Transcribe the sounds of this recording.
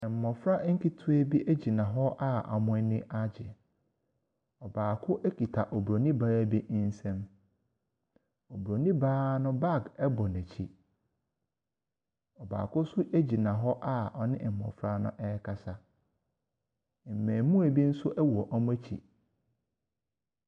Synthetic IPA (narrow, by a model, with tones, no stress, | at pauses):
ɪ̃˨m̩˨mɔ̃˨fɾa˦ŋ̩˦ki˦tʰʊ˦e˦bi˦ʔæ˦d͡ʑi˨nã˨ɦɔ˦ʔa˦ʔa̰˨mʊ̃˦nɪ̃˦ʔa˦d͡ʑɪ˨ | ɔ˨baː˨kʰʊ˦ʔæ˦kʰi˨tʰa˨ʔo˨bu˨ɾo˨nĩ˦baː˦bi˦n̩˦sɛ̃˦m | o˨bu˨ɾo˨nĩ˦baː˦nʊ̃˦ba˦˨ɡɛ˦bɔ˨næ̃˨t͡ɕʰḭ˦ | ɔ˨ba̰ː˨kʊ˦sʊ˦ʔæ˦d͡ʑi˨nã˨ɦɔ˦ʔa˦ɔ˨nɪ̃˦˨mɔ̰̃˨fɾa˦nʊ̰̃˦ʔɛ˦kʰa˨sa˦˨ | m̩˨mɛ̃ː˨mũ˦æ˨bi˦n̩˦sʊ˦ʔɛ˦wu˨ɔ˨ʔa˦m̃˦æ˦t͡ɕʰḭ˨